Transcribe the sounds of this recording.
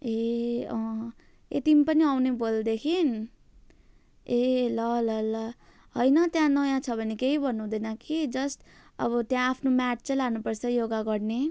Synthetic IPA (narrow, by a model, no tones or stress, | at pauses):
eʌ̃ | ḛt̪impʌniawnebold̪ekʰin | elʌlʌlʌ | ɦojnʌt̪jãnʌjãt͡sʰʌbʱʌnekeibʱʌnuɦũd̪ʌjnʌkʰid͡zʌst̪ | ʌ̰bʌt̪jãːpʰnomaʈ̚t͡sʌlanupʌrt͡sʰʌjoɡaɡʌɽne